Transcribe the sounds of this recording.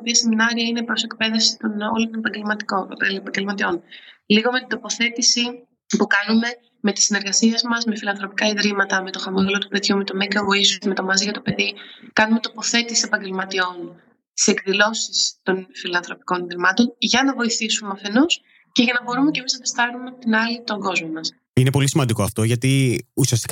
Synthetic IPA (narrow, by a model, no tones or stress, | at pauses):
opiɐse̞minɐɾiɐinepɾo̞se̞kpe̞ðefsi̥t̪onolot̪nepɐɲɟelmɐt̪i̥kopɐɟe̞lmɐt̪io̞nliɣo̞me̞t̪ind̪o̞po̞θe̞t̪isi | pukɐnume̞ | me̞t̪i̥sine̞ɾɣɐsiɐzmɐzme̞filɐnθɾo̞pikɐiðɾimɐt̪ɐme̞t̪o̞xɐmoɣelo̞t̪upe̞ðʝumet̪o̞meɡovo̞isume̞t̪omɐziʝɐt̪ope̞ðikɐnumet̪o̞po̞θe̞t̪isisepɐɲɟe̞lmɐt̪io̞n | t̪i̥se̞kðilo̞sist̪o̞nfilɐnθɾo̞pi̥ko̞niðɾimɐt̪o̞nʝɐnɐvo̞iθisumɐfe̞nus | ce̞ʝɐnɐbo̞ɾume̞cemisɐpest̪ɐnumeot̪inɐlit̪o̞ŋɡo̞zmomɐs | inepo̞lisimɐnd̪iko̞ɐft̪o̞ʝɐt̪iusiɐst̪i̥k